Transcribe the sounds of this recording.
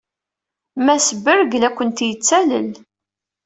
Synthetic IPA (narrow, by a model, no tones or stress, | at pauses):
mæsəbəɾɡlækʷːənt̪jət͡sːælə̰l